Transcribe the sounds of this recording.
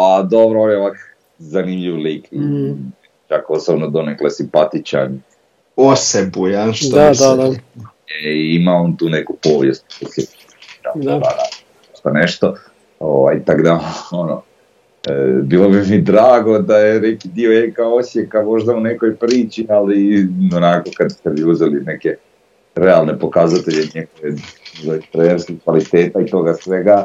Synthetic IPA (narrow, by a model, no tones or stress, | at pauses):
ad̪obɾooʋjeak | zanimʎiʋlikii | t͡ʃako̞sobnod̪o̞neklasimpat̪it͡ʃa̰ni | osebujanʃt̪o | eiimaont̪uːnekupoːʋjḛst̪̚osʲep | iɾaɾana | oʃt̪aneʃt̪o | oʋa̰jt̪aɡd̪aono̰ | bilˠo̞bimid̪ɾaːɡo̞d̪ajenekid̪ioekaosjekamo̞ʒd̪aunekojpɾiːt͡ʃialionako̞kad̪st̪eʋiuzɛlineke | ɾealˠne̞po̞kazat̪e̞ʎeɲeɡoʋezaipɾeeɾskikʋalit̪e̞ːt̪ait̪o̞ːɡasʋe̞ɡa